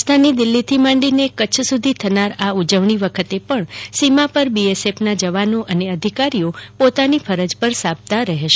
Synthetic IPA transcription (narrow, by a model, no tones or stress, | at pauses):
st̪ʰanid̪ɪlːit̪ʰimãɳɖinekət͡ʃʰsud̪ʱit̪ʰənaɾaud͡ʒəʋɳiʋəkʰət̪epəɳsimapəɾbiesepnad͡ʒəʋanoʔəneəd̪ʱikaɾiopot̪anifʰəɾəd͡ʒpəɾsab̚t̪aɾəɦʃ